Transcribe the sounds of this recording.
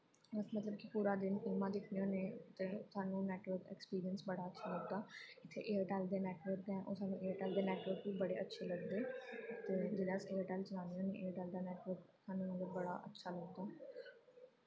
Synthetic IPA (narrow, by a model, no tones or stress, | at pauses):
əsmət̪ləb̚kɪpuːɾaːd̪ɪnɪːmãːd̪ɪkʰnijõːneːt̪eːsaːnũːnɛːʈʋəɾkɛ̰ːkspiːɾijənsbəɽaːətːʃʰaːləɡd̪aːɪt̪ʰːḛːʔeːəɾʈɛːld̪eːnɛːʈʋəɾk̚d̪ɛ̃ːʔo̰ːsaːnũːʔeːəɾʈɛːld̪eːnɛːʈʋəɾkʋiːbəɽeːʔətːʃʰeːləɡd̪eːt̪eːd͡ʒɪlaːseːəɾʈɛːlt͡ʃənãːnijõːneːʔeːəɾʈɛːld̪aːnɛːʈʋəɾksaːnũːmət̪ləbːəɽa̰ːʔətːʃʰaːləɡd̪aː